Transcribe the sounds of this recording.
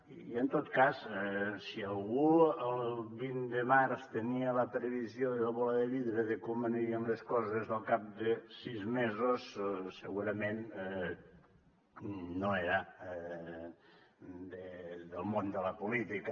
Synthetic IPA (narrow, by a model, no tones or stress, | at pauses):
ient̪ot̪kasɛsialˠɣuəlβind̪emaɾst̪enialəpɾeβizjoðilaβɔlaðeβiðɾeðekoməneɾiənleskɔzezəlˠkap̚d̪esizmezosseɣuɾamẽn | noeɾa | d̪eðelˠmond̪əlapolit̪ika